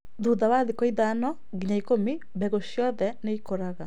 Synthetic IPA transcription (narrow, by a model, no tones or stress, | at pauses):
ðuðawaðikɔiðanɔ | ɣiɲaikomi | bɛɣosjɔðɛneikoɾaɣa